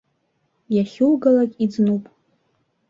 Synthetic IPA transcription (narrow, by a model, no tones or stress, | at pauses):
jaχʲulɡalakʲʼid͡znupʼ